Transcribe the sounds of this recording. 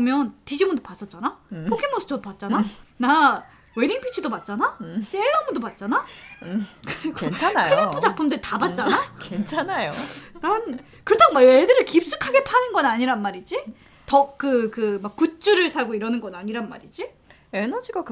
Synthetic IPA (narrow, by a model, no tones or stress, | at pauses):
ɯʌmjʌntid͡ʑimundopas͈ʌt̚t͡ɕ͈anapʰokʰemos͈ʰɯ̥t͡ɕʰʌdopat̚t͡ɕ͈anana | weniŋpʰit͡ɕʰidopat̚t͡ɕ͈anas͈eɭːʌmudopat̚t͡ɕ͈ana | kɯɾiɡoent͡ɕʰanajɯɭapʰud͡ʑapʰumdɯɾtabat̚t͡ɕ͈anakent͡ɕʰanajonan | kɯɾʌtʰamaedɯɾɯɭkip̚s͈ukʰaɡe̞pʰanɯnɡʌnaɲiɾanmaɾid͡ʑi | tʌkɯkɯmakk͈ːut̚t͡ɕ͈uɾɯɭsʰaɡoiɾʌnɯnɡʌnaɲiɾanma̰ɾid͡ʑi | enʌd͡ʑiɡak